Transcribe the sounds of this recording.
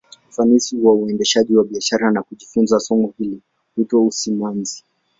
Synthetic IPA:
fanisiwauɛndɛʃaʄiwaɓiaʃaɾanakuʄifunzasɔmɔhili | hutɔusimanzi

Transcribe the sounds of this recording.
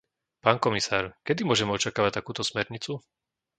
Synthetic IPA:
paːnkɔmisaːɾkɛd̪imʊɔʒɛmɛɔt͡ʃakaːʋac̚t̪akuːt̪ɔsmɛɾɲit͡su

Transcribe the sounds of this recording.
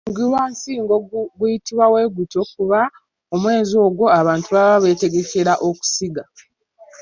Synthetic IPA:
ɡiwansiːŋɡoɡujitiβwawe̞ɡuto̞k̚uβa | o̞mwe̞ːzo̞ːɡwo̞aβaːntuβaβaβe̞te̞ɡe̞ceɾaʔo̞ku̥siɡa

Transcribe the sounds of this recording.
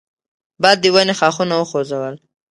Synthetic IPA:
bɑjd̪ːəwanexɑxunawəxozawəl

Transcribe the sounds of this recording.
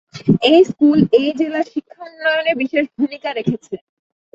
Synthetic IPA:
ejskulejd͡ʑelaʃikʰːanːɔjonebiʃeʃbʱumikaɾekʰet͡ɕʰe

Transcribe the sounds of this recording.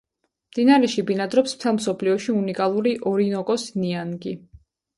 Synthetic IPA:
md̪inaɾɛʃibinad̪ɾɔpsm̥t̪ʰɛlˠmsɔpʰliɔʃiunikʼalˠuɾiʔɔɾinɔkʼɔsnianɡi

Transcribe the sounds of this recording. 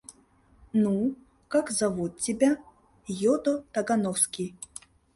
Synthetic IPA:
nu | kakzavut̪̚t͡sʲibʲa | jɔd̪ɔt̪ɐɡanɔwskʲij

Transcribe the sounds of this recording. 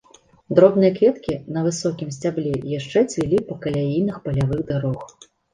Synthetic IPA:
d̪ɾɔbnɨjɐkvʲɛt̪kʲinɐvɨsɔkʲimsʲt͡sʲablʲɛjaʂt͡ʂɛt͡sʲvʲilʲipɐkɐlʲajijnɨxpɐlʲavɨɣd̪aɾɔx

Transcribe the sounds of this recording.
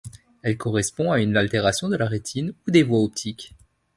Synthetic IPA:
ɛlkɔʁɛspɔ̃aynalt̪eʁasjɔ̃d̪əlaʁet̪ʰinud̪evwaɔp̚t̪ʰikʲ

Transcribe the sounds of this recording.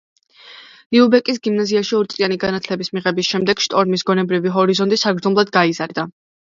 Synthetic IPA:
iubɛkʼis̬ɡimnaziaʃiɔɾit̪sʼianiɡanat̪ʰlɛbismiʁɛbisʃɛmd̪ɛɡ̥ʃt̪ʼɔɾmisɡɔnɛbɾiviɦɔɾizɔnt̪ʼisaɡɾd̪zɔmlˠad̪ɡaizaɾd̪a

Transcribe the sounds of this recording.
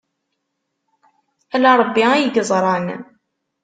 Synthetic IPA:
ælɑɾˤəbːiæjəɡəzˤɾˤɑn

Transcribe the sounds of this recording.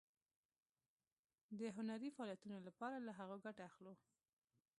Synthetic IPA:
d̪əɦʊnaɾifaɑlijat̪unolapɑɾalaɦaɣoɡaʈaaxlo

